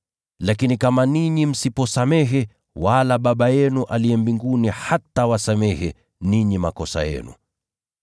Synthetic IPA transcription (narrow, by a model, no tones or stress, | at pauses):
lakinikamaniɲim̩sipɔsamɛɦɛ | walaɓaɓajɛnuʔaliɛmbiŋɡunihatawasamɛhɛ | niɲimakɔsa̰jɛ̰nṵ